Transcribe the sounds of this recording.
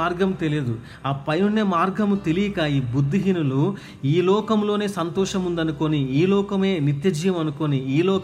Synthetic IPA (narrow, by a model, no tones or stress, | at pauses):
aːɾɡɐmt̪elijɐd̪u | aːpɐjnunjɐmaːɾɡɐmut̪e̞lijɐkaːiːbud̪ʱːiɦinulu | iːlɔːkɐmlo̞ːne̞ːsɐnt̪ɔːʂɐmund̪ɐnuko̞niiːlɔːkɐme̞ːnit̪jɐd͡ʒjɐmɐnuko̞niiːlɔːk